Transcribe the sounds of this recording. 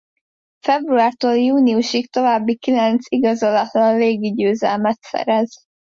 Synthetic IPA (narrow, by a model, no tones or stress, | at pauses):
fɛbruaːrt̪oːljuːniuʃikt̪o̞vaːbːikilɛnt̪siɡɒzolɒt̪lɒnleːɡiɟøːzɛ̰lmɛt̪sɛ̰ɾɛz